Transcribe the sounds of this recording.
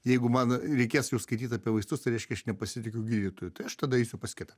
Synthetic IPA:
jɛɪɡʊmɐnɾʲɛɪkʲeːsjɛʊskɐɪt̪ʲiːt̪ɐpʲiɛʋɐɪst̪ʊst̪ɐɪɾʲɛɪʃʲkʲɛɐʃnʲɛpɐsʲɪt̪ʲɪkʲɛʊɡʲiːd̪ʲit̪oːjʊt̪ɐɪɐʃt̪ɐdɐɛɪsʲʊpɐsʲkʲɪt̪ɐ

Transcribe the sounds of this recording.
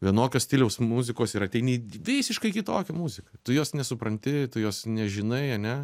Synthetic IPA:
ʋʲiɛnoːkʲoːsʲt̪ʲɪlʲɛʊsmʊzʲɪkoːsiːɾɐtʲɛɪnʲiʋʲɪsʲɪʃkɐɪkʲɪt̪oːkʲɛmuzʲɪkɐt̪ʊjoːsnʲɛsʊpɾɐnʲt̪ʲɪt̪ʊjoːsnʲɛʒʲɪnɐɪɐnʲɛ

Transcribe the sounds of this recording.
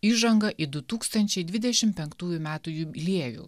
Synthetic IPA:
iːʒɐŋɡɐʔid̪ʊt̪uːkst̪ɐnʲt͡ʃʲɛɪd̪ʲʋʲɪd̪ʲɛʃʲɪmpʲɛŋkt̪uːjʊmʲæːt̪uːjulʲeɛʋʲṵː

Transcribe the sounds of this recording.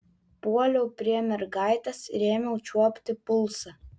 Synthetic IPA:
puɔlʲɛʊpʲɾʲiɛmʲɛɾɡɑɪt̪ɐsɾʲeːmʲɛʊt͡ʃʲuɔpʲt̪ʲɪpʊlˠsɐ

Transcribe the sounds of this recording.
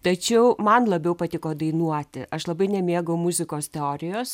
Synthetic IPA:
t̪ɐt͡ʃʲɛʊmɐnlˠɐbʲɛʊpɐt̪ʲɪkoːd̪ɐɪnuɔt̪ʲɪ̰ʔɐʃlˠɐbɐɪnʲɛmʲeːɡɐʊmʊzʲɪkoːst̪ʲɛoːɾʲɪjoːs

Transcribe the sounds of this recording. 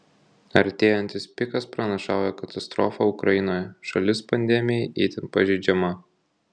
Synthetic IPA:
ɐɾʲt̪ʲeːjɛnʲt̪ʲɪspʲɪkɐspɾɐnɐʃɑˑʊjɛkɐt̪ɐst̪ɾɔfɐʊkɾɐɪnoːjʃɐlʲɪspɐnʲd̪ʲɛmʲɪjɛɪʔɛːt̪ʲɪnpɐʒʲɛɪd͡ʒʲɛmɐ

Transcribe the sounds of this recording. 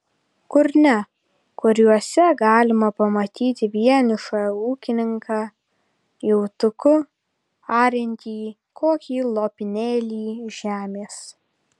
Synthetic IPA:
kʊɾʲnʲɛ | kʊɾʲuɔsʲɛɡɑːlʲɪmɐpɐmɐt̪ʲiːt̪ʲɪʋʲiɛnʲɪʃɑuːkʲɪnʲɪŋkɑː | jɛʊt̪ʊkʊ | ɑːɾʲɪnʲt̪ʲiː | kʰoːkʲiːlˠoːpʲɪnʲeːlʲiːʒʲæːmʲeːs

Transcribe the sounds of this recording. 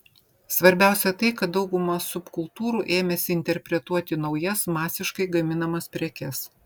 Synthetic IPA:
sʋɐɾʲbʲæˑʊsʲɛt̪ɐɪkɐt̪̚d̪ɒʊɡʊmɐsʊpkʊlˠt̪uːɾuːʔeːmʲɛsʲɪɪnʲt̪ʲɛɾʲpʲɾʲɛt̪uɔt̪ʲɪnɒʊjɛsmɑːsʲɪʃkɐɪɡɐmʲɪnɐmɐspʲɾʲɛkʲɛs

